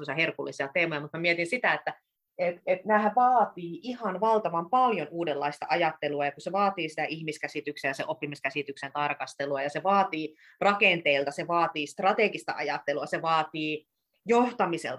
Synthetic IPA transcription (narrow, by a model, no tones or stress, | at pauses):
usɑherkulːisiɑt̪eːmojɑmut̪mæmiet̪insit̪æet̪ːæ | et̪et̪næhæʋɑːt̪iːʔihɑnʋɑlt̪ɑʋɑmpɑljonuːdelːɑist̪ɑ̰ʔɑjɑt̪ːeluɑjɑkuseʋɑːt̪iːsi̥t̪æʔihmiskæsit̪yksejjɑsḛʔopːimiskæsit̪yksent̪ɑrkɑst̪eluɑjɑseʋɑːt̪iː | rɑkent̪eilt̪ɑseʋɑːt̪iːst̪rɑt̪eɡist̪ɑ̰ʔɑjɑt̪ːeluɑseʋɑːt̪iː | joht̪ɑmisḛlt̪